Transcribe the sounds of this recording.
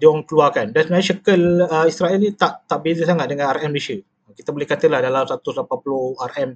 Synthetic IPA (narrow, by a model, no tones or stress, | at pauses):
diɔŋkəluakandansəmənaɲəʃəkələisɾaɛlnit̪aʔt̪aʔbezəs̬aŋat̪̚dəŋanarɛməleʃə | kit̪abolehkat̪əlahdalamsat̪usapapuloharɛm